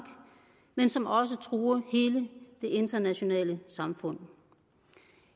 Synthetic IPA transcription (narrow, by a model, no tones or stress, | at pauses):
ɡ̥ | mensɒ̽mɒ̽s̬ət͡sʰʁuːɐhe̝ːləd̥e̝ʔe̝nd̥ɐnæɕo̝nɛ̰ːləsɑ̈mfɔ̽n̰